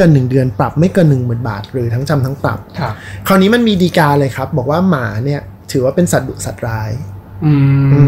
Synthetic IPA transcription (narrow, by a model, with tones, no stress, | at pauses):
kɤː˧nːɯ˨˩ŋdɯ˧ənpɾa˨˩p̚ma˥˩jkɤː˧nːɯ˨˩ŋmɯː˨˩nba̰ː˨˩t̪̚ɾɯː˩˦t̪ʰa˦˥ŋt͡ɕa˧mt̪ʰa˦˥ŋpɾa̰˨˩p̚ʰkʰa˧˩wniː˦˥ma˧nmiː˧diː˧kaː˧lɤː˧jkʰa˦˥p̚bɔː˨˩k̚waː˥˩maː˩˦ni˥˩ɐ | t̪ʰɯː˩˦waː˥˩pe˧nsa˨˩t̪̚du˨˩k̚sa˨˩t̪̚ɾaː˦˥jʔɯː˧ʔɯː˧